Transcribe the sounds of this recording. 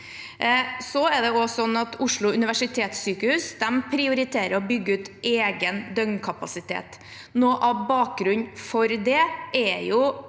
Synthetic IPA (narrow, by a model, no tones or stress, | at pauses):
sɔɛd̪ɛɔsɔnːɑt̪ʊʂɭʊʉnɪʋæʂɪt̪ʰeːt̪syːkəhʉːsd̪ɛmpʰɾɪʊɾɪt̪ʰeːɾəɾɔbʏɡːəʉːt̪eːɡənd̪œŋnkʰɑpɑsɪt̪ʰḛːt̪ | noːʔɑbɑːk̚ɡɾʉɲfɔɾd̪ɛʔɛjʊ